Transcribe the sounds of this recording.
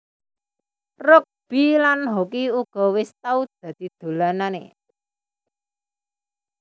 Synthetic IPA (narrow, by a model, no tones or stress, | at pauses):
rʊk̚b̥i̤lanɦokiuɡ̥ɔ̤wɪst̪aud̪̥a̤d̪̥i̤d̪̥o̤lananḛ